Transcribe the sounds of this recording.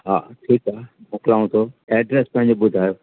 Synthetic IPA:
ɦa̰ːʈʰiːkaːmʊklaːõt̪ʰoɛːɖɾespɐ̃ɦɪ̃ɲ̆d͡ʑobʊd̪ʱaːjoː

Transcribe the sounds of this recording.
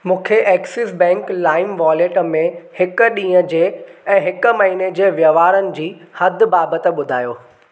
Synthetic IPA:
mũːkʰeʔɛːksɪsbɛ̃ːŋklaːɪmʋaːleːʈmẽhɪkɗĩːəd͡ʑeːɛ̃ːɦɪkʊmɐɦiːned͡ʑeːʋjəʋaːɾənɪ̆d͡ʑiːhɐd̪ʱbaːbət̪ĕɓʊd̪ʱaːjoː

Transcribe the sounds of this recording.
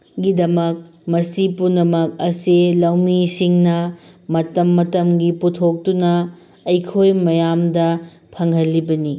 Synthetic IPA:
ɡidɐmɐk̚ | mɐsipunɐmɐk̚ɐsilɐwmisiŋnɐmɐtɐmːɐtɐmɡiputʰok̚tunɐː | jkʰojmɐjamdɐ | pʰɐŋɦɐlːibɐni

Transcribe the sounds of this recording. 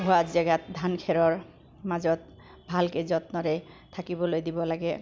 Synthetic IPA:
ɦuazɛɡat̪̚d̪ʱankʰɛɹɔɹ | mazɔt̪̚ | bʱalkezɔt̪nɔɾe | t̪ʰakibɔlojd̪ibɔlaɡɛ

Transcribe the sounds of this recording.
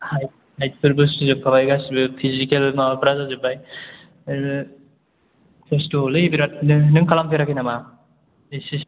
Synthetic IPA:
haj̚ | hajt̚pʰɯɾbɯsɯzɯp̚kʰaβajɡasbɯpʰizikelmapʰɾazazɯbaj | pʰestulɯbiɾat̚nnɯŋkʰalamkɯɾakʰinama | disis

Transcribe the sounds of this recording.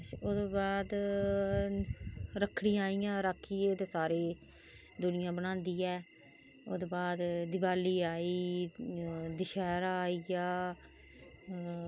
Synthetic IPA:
oːd̪oːbaːd̪ | ɾəkʰːɽ̃ĩːaːiːjãːɾəkʰːiːd̪eːsaːɾeː | d̪ʊnɪjãːbəñãːnd̪iːɛː | o̰ːd̪oːbaːd̪d̪ɪbaːliːaːiː | d̪ɪʃɛːɾaːiːjaː

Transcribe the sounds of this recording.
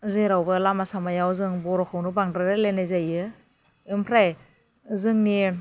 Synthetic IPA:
zeɾawbɯlamasamajawzɯŋbɔɾɔkʰɯwnubaŋdɾɯɾɯlenajzajɯ | ɯmpʰɾaj | zɯŋni

